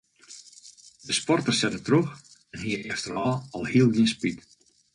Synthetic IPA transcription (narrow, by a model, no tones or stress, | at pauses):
dəspɔrtərsɛtətrox | ɛnɦiəɛftərɔɔlˠhiəlˠɡiənspit